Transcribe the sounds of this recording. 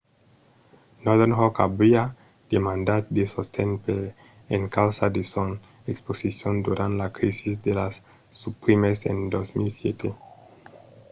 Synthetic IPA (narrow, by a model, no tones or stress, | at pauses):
nɔðenɦokabia | d̪̥emãnd̪at̪d̪esost̪ʰẽnpe | eŋkawsad̪eson | eksposisjõnd̪uɾãnt̪lakɾisisd̪elasː | upɾimesḛ̃nd̪osmilsjet̪ʰe